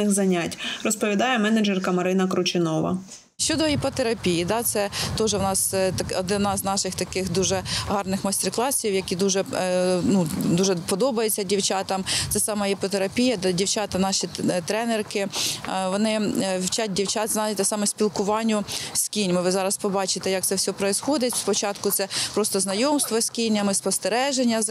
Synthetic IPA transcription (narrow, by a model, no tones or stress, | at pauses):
ɪxzɐnʲatʲrɔspɔʋʲid̪ɑjɛmɛnɛd͡ʒɛrkɐmɐɾɪnɐkɾʊt͡ʃɪnɔʋɐ̰ | ʃt͡ʃɔd̪ɔipɔt̪eɾɐpʲijid̪ɑt̪sɛt̪ɔʒɛwnɑst̪ɐkɔd̪ɪnɑznɑʃɪxt̪ɐkɪxd̪uʒɛɦɑrnɪxmɐsʲt̪ɛrklˠɑsʲiwjɐkʲid̪uʒɛnud̪uʒɛpɔd̪ɔbɐjet͡sʲːɐdʲiwt͡ʃɑt̪ɐmt̪sɛsɑmɐɦipɔt̪eɾɐpʲijɐd̪ɐdʲiwt͡ʃɑt̪ɐnɑʃʲit̪ɾɛnerkɪʋɔnɪwt͡ʃat̚ʲdʲiwt͡ʃɑt̪znɑt̪ɛsɑmɛsʲpʲilˠkʊʋɑnʲːʊsʲkʲinʲmɪʋɪzɑɾɐspɔbɑt͡ʃɪt̪ɛjak̚t̪sɛwsʲɔpɾɔizxɔd̪ɪtʲspɔt͡ʃɑt̪kʊt̪sɛpɾɔst̪ɔznɐjɔmst̪ʋɔsʲkʲinʲɐmɪspɔst̪eɾɛʒenʲːɐ